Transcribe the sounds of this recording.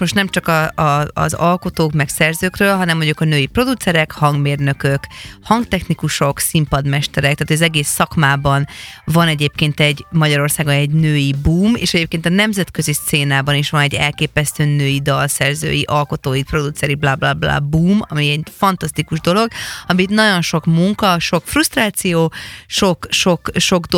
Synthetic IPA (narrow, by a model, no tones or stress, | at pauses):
mo̞ʃt̪nɛmt͡ʃɒkɒɒ̰ːzɒlko̞t̪oːkmɛksɛrzøːkrøːlɦɒnɛmvoɲokɒnøːjipro̞d̪ut̪sɛɾɛkhɒŋɡmeːrnø̞køkhɒŋɡt̪ɛxnikuʃo̞ksimpɒd̪mɛʃt̪ɛɾɛkt̪aːt̪ojɒzɛɡeːsːɒkmaːbɒnvɒnɛɟeːpkeːnt̪ɛɟmɒɟɒɾo̞rsaːɡonɛɟnøːjibuːmḛːʃɛɟeːp̚keːnt̪ɒnɛmzɛt̪kø̞zist̪seːnaːbɒniʃʋɒnɛɟːɛ̰lkeːpɛst̪øːnøːjid̪ɒlsɛrzø̰ːjiʔɒlko̞t̪oːjipro̞d̪ut̪sɛɾiblaːblaːbla̰ːbuːmɒ̰miɛɟfɒnt̪ɒst̪ikuʒd̪o̞lo̞ɡɒmit̪nɒɟo̞nʃo̞kmuŋkɒʃo̞kfrust̪raːt̪sijoːʃo̞kʃo̞kʃo̞ɡd̪